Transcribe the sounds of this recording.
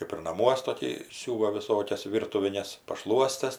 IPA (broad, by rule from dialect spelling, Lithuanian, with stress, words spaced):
kɜp ɪr nɐˈmuɔs toːˈkʲiː ˈsʲuːʋɐ ʋʲɪˈsoːkʲɛs ˈʋʲiːrtʊʋʲɪnʲɛs pɐˈʃlˠuɔsʲtʲɛs